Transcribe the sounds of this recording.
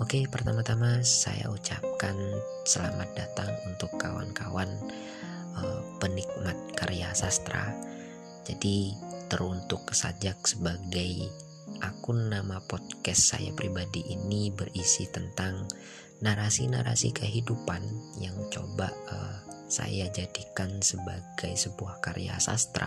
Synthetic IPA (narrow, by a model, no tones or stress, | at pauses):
okepərt̪amat̪amasa̰ja̰ut͡ʃap̚kan | səla̰mat̪̚dat̪aŋunt̪ʊkːawa̰nkawan | əpənik̚mat̪̚kaɾjasast̪ɾa̰ | d͡ʒadit̪əɾunt̪ʊksad͡ʒak̚səbaɡaj | ʔakʊnːamapɔt̪̚kɛsːa̰ja̰pɾibadiʔinibərisit̪ənt̪aŋ | naɾasinaɾasḭkəɦidupanjaŋt͡ʃo̰baəsa̰jad͡ʒadikansəbaɡajsəbuahkaɾ̰ja̰sa̰st̪ɾa̰